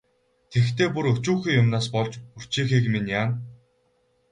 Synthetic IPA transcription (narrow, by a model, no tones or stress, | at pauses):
t̪ʰext̪ʰeːpuɾɵt͡ɕuːxiːjʊmnaːspɔɮt͡ɕur̥t͡ɕiːxiːkminjaːn